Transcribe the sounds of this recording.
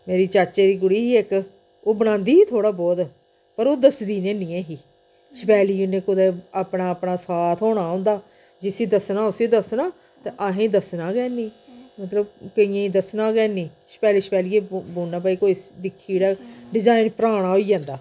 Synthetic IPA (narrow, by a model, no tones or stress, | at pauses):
meːɾiːt͡ʃaːt͡ʃeːd̪iːɡʊɽiːɦiːɪk | oːbənãːnd̪iːɦiːt̪ʰoːɽaːbɔːt̪ | pəɾoːd̪əsd̪iːnẽːnĩːɛ̃ːɦiː | ʃəpɛːliːʊnẽːkʊd̪eːaːpnaːpnaːsaːt̪ʰɦoːɽ̃aːɦõːnd̪aː | d͡ʒɪsiːd̪əsnaːʊsiːd̪əsnaː | t̪eʔaːɦẽːd̪əsnaːɡɛːnĩːmət̪ləbkəĩjẽid̪əsnãːɡɛːnĩː | ʃpɛːliːʃpɛːliːeːboːnːaːp̬aːiːkoːid̪ɪkʰːiːɽaːɖɪzaːɪnpəɾaːɽ̃aːɦoːiːd͡ʒãːnd̪aː